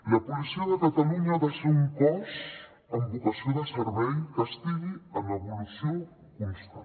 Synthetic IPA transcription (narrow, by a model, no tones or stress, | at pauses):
ləpulisioðəkat̪aluɲaðeʃauŋpɔs | əmbukəsioðəsəɾβɛjfəst̪iɣiələβulusio | kunst̪a